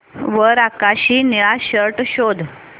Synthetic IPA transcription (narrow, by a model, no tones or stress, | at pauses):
ʋəɾakaɕiːniɭaɕəɾʈɕod̪ʱ